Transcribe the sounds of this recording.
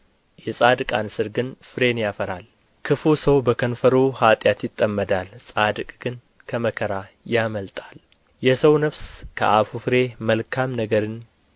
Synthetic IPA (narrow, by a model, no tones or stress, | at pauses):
jɛsʼad̪ɨkʼansɨɾɡɨnfɨɾe̞njafəɾal | kʰɨfusəwbəkʰənfəɾuhat̪ʼjat̪jɪt̪ʼːəmːəd̪alsʼad̪ɨkʼɡ̥ɨn | kʰəməkʰəɾa | jaməlt̪ʼal | jɛsəwnəβskʰə̰ʔafufɨɾe̞məlkʰamnəɡəɾɨn